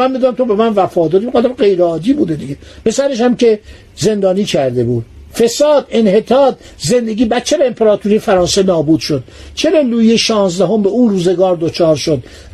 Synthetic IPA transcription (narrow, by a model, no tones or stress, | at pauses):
ænmid̪uːnæmt̪ʰobe̞mænvæfɒːd̪ɒːɾieɑd̪æmɡe̞jɾeɒːd̪iːbuːd̪ed̪iɟepʰe̞sæɾe̞ʃ̬æmce̞ | ze̞nd̪ɒːniːcʰæɾd̪e̞buːd̪̚ | fe̞sɒːd̪e̞nhe̞t̪ʰɒːt̪̚ | ze̞nd̪e̞ɡʲiːbæt͡ʃːevæempʰeɾɒːt̪ʰuɾijefæɾɒːnsenɒːbuːd̪ʃod̪̥ | t͡ʃʰeɾɒluːjeʃɒːnzd̪æɦo̞mbeuːruːze̞ɡɒːɾd̪ot͡ʃʰɒːɾʃo̞d̪